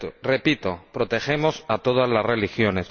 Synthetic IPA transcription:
repit̪o̞pɾo̞t̪e̞xemo̞sat̪o̞ð̞azlazrelixjo̞ne̞s

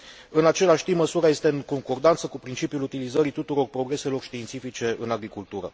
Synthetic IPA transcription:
ɨnat͡ʃe̞laʃʲt̪iməsuɾaje̞st̪e̞ɨŋko̞ŋko̞rd̪ant̪səkupɾint͡ʃipjulut̪ilizəɾit̪ut̪uɾo̞rpɾo̞ɡɾe̞se̞lo̞rʃt̪iːnt̪sifit͡ʃe̞ʔɨ̰naɡɾikult̪uɾə̰

